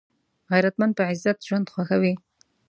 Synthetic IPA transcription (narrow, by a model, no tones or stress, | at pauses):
ɣajɾat̪mand̪̚pəʕɪzːat̪ʒwand̪xwaxawi